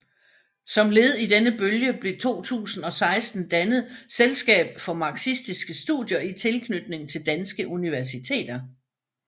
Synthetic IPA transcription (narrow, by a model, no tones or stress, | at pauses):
sɒ̽mle̝ːð̞̩ˠid̥enəb̥øljəb̥le̝t͡sʰo̝̰ːt͡sʰṵːsn̩ɒ̽sɑ̈ɪsd̥n̩d̥ænəð̩ˠselsɡ̥ɛ̰ːb̥fɒ̽mɑ̈ɡ̥sisd̥isɡ̥əsd̥ṵðˠjɐit͡sʰe̝lkʰnyd̥ne̝ŋt͡sʰe̝ld̥ænsɡ̥əʔuniʋæɐsit͡sʰe̝̰ːd̥ɐ